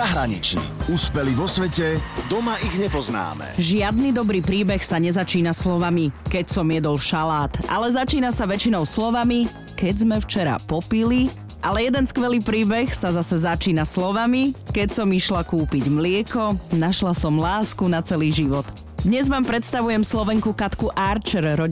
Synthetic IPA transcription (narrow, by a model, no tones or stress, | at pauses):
aɦɾaɲḭt͡ʃnḭuspɛliʋɔsʋɛcɛd̪ɔmaiɣɲɛpɔzna̰ːmɛ̰ʒɪad̪nid̪ɔbɾiːpɾiːbɛxsaɲɛzat͡ʃiːnaslɔʋamikɛcsɔmjɛd̪ɔlʃalaːt̪ʔa̰lɛzat͡ʃiːnasaʋɛt͡ʃinɔʊslɔʋami | kɛɟzmɛft͡ʃɛɾa̰pɔpili | ʔalɛjɛd̪ɛnskʋɛliːpɾiːbɛxsazasɛzat͡ʃiːnaslɔʋamikɛcsɔmiʃlakuːpiɟmlɪɛkɔnaʃlasɔmlaːskunat͡sɛliːʒiʋɔt̪ | d̪ɲɛzmaːmpɾɛt̪st̪aʋujɛmslɔʋɛŋkukat̪kuʔaɾt͡ʃɛɾɾɔ